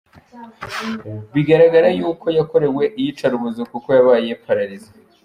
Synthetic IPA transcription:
βiɡaɾaɡaɾajuːko̞jako̞ɾe̞we̞ʔijit͡ʃaɾuβuzikuko̞jaβaːje̞pʰaɾaɾiza

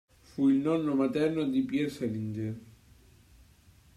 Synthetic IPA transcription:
fuilnɔnːomat̪ɛrnod̪ipjɛɾselind͡ʒe

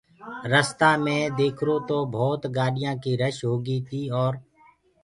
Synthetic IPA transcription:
ɾəst̪aːmẽːd̪eːkʰɾoːt̪oːbʱɔːt̪ɡaːɗɪjãːkiːɾəʃɦoːɡiːt̪ʰiːɔːɾ

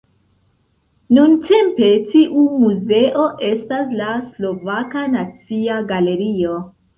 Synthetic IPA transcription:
nuntʰe̞mpe̞tiʔumuze̞ʔo̞ʔe̞staslaslo̞vakanat͡siaɡale̞ɾio̞

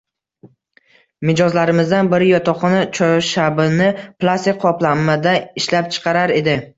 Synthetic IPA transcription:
mɪd͡ʒɒzlaɾɪmɪzd̪anbɪɾɪjɒt̪ʰɒχɒnat͡ʃʰɒʃabɪnɪplˠast̪ɪk̚ʲqʰɒplˠamːad̪aɪʃlap̚t͡ʃʰɨ̥qʰɑɾaɾe̞d̪ɪ

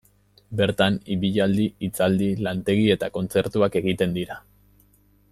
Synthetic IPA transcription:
be̞ɾt̪aniβiʎald̪iit͡sald̪ilant̪e̞ɣ̞ie̞t̪ako̞nt͡se̞ɾt̪uake̞ɣit̪e̞nd̪iɾa

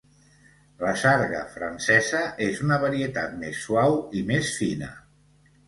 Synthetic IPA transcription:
ləsaɾɣə̰fɾansɛzəʔezunəβaɾiət̪at̪̚mesːwawimesfinə̰

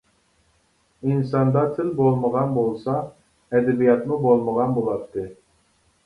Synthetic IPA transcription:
insɑnd̪ɑt̪ʰɪlbolˠməʁɑnbolˠsɑ | ɛd̪ɛbijɑt̪mubolˠməʁɑnbolˠɑpt̪ːɨ

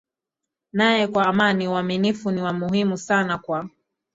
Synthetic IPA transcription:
najɛkwaːmaniuaminifuniwamuɦimusanakwa

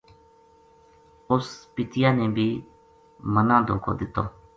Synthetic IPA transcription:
ʊspɪt̪ɪjãːnẽːbʱiː | mənãːd̪o̰ːkʰo̰ːd̪ɪt̪ːo̰ː

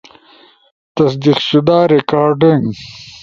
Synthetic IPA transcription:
t̪ɐsd̪iqʃud̪aːɾekaːɾɖiŋɡ

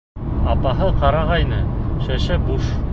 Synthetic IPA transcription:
ɑpɑɦɤqɑɾɑʁɑjnɤʃæʃæbuʃ

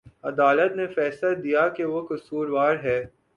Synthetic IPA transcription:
ɐd̪aːlət̪nefɛːsəd̪ijakeʋokʊsuːɾʋaːɾɦɛː

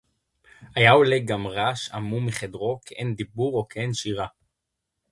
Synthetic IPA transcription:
ajauleɡamʁaʃamumiχed̪ʁo̞kʰeʔend̪ibuʁo̞keenʃiʁa

